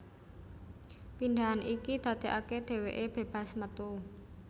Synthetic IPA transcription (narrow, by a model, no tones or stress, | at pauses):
pind̪aɦanikid̪̥ä̤d̪̥e̤ʔaked̪̥e̤weʔeb̥e̤b̥a̤smət̪u